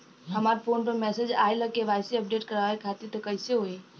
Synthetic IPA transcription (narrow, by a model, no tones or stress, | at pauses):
ɦɐmaːɾpʰoːnpəɾmɛːsed͡ʒaːeləkeʋaːɪsiəp̚ɖeːʈkəɾaːʋekʰaːt̪it̪okəɪseɦoeː